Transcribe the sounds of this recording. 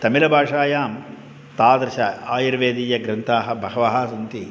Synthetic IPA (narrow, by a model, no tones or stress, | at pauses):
t̪ɐmilɐbʱaːʂaːjaːm | t̪aːd̪ɾɐʃɐaːjɐɾʋeːd̪iːjɐɡɾɐnt̪ʰaːɦɐ̆bʱɐɦɐʋɐɦɐsɐnt̪i